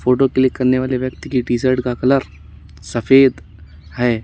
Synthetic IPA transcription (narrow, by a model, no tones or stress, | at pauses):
foːʈokeliekɐɾneʋaːleʋjɐk̚t̪kiɖizəɾʈkakɐləɾ | sɐfeːd̪ | hɛː